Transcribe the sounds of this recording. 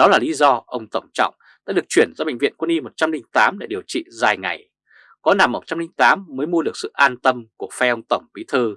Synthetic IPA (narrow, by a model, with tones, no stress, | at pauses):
ɗɔ˨˦laː˨˩li˨˦zɔ˧ʔə˧wŋ͡mt̪ə˧˩wŋ͡mt͡ɕɔ̰˧˨wŋ͡m | ɗa̰ː˧˥ɗɨ˨˩ək̚t͡ɕwi˧˩ənzɔ˧ɓḛ˧˨ŋ̟vḭ˧˨ənkwə˧ni˧mo˨˩t̚t͡ɕa˧mlï˧ŋ̟t̪aː˨˦mɗe˧˩ɗi˨˩əwt͡ɕḭ˧˨zaː˨˩jŋa̰˨˩j | kɔ˨˦na˨˩mːo˨˩t̚t͡ɕa˧mlï˧ŋt̪aː˨˦mːəː˨˦jmu˧əɗɨ˨˩ək̚sɨ̰˧˨ʔaː˧nt̪ə˧mku˧˩əfɛ˧ʔə˧wŋ͡mt̪ə˧˩wŋ͡mɓi˨˦t̪ʰɨ˧